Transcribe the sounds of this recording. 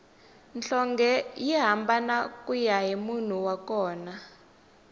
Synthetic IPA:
nɬɔŋɡɛjiɦambanakʼujaɦimun̤uwakɔːna

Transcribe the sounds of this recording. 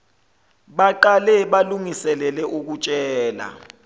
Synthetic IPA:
ɓaǃalɛɓaluŋisɛlɛlɛʔuk̬ut͡ʃʼɛːla̰

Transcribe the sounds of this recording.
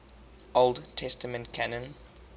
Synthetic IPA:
ʔolˠdtʰɛstəmə̃ntkʰanə̃n

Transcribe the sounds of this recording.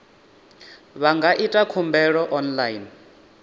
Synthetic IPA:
βaŋɡaʔitʼakʰumbɛɺɔʔɔnlajin

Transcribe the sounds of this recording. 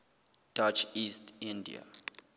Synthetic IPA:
d̥ɔt͡ʃistĩndḭa̰

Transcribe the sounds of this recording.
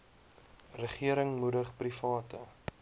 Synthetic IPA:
rəχiəɾəŋmudəχprifɑːtə

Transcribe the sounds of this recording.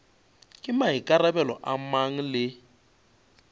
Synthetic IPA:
kʼɪmaɦikʼarabɛlɔʔamaŋ̩lɪ

